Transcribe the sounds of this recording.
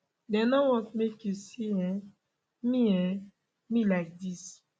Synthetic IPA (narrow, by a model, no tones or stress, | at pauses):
dɛ̃nɔwɔ̃tmekjusiɛ̃ | mĩɛ̃ | mĩlaɪk̚dis